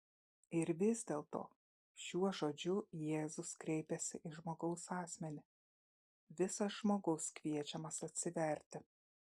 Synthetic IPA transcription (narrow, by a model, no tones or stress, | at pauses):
ɪɾʋʲɪzʲd̪ʲeːlˠt̪o̰ː | ʃʲuɔʒoːd͡ʒʲʊjeːzʊskɾʲɛɪpʲɛsʲɪʔɪʒmoːɡɐʊsɑːsʲmʲɛnʲɪ | ʋʲɪsɐsʒmoːɡɐʊskʋʲiɛt͡ʃʲɛmɐsɐt̪ʲsʲɪʋʲɛˑɾʲt̪ʲɪ